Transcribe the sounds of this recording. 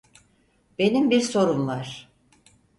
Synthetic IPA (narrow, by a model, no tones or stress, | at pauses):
b̥e̞nimbiɾso̞ɾumvaɾ̥